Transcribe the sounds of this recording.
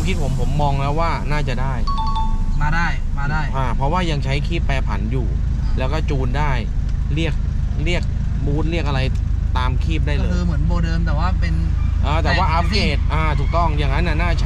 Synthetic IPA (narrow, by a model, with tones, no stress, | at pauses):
o˦mkʰi˦˥t̪̚pʰo˩˦mpʰo˩˦mːɔː˧ŋlɛː˦˥waː˥˩naː˥˩t͡ɕa˨˩daː˥˩j | a˥˧˩a˥˩jma˥˩a˥˩jʔaː˧˩pʰɾɔ˦˥waː˥˩ja˧ŋt͡ɕʰa˦˥jkʰiː˥˩pːɛː˧pʰa˩˦njuː˨˩ | lɛː˦˥wkɔː˥˩t͡ɕuː˧ndaː˥˩jɾi˥˩ək̚ | ɾi˥˩ək̚ | buː˦˥t̪̚ɾi˥˩ək̚ʔa˧ɾa˧j | t̪aː˧mkʰiː˥˩p̚daː˥˩jlɤː˧kɯː˧mɯ˩˦ənboː˧dɤː˧mt̪ɛː˨˩waː˥˩pe˧nʔɤː˧t̪ɛː˨˩waː˥˩ʔa˦˥p̚ɡeː˧˩t̪̚ʔaː˧t̪ʰuː˨˩k̚t̪ɔ˥˩ŋjaː˨˩ŋːa˦˥nːʔa˧˨˩naː˥˩t͡ɕʰ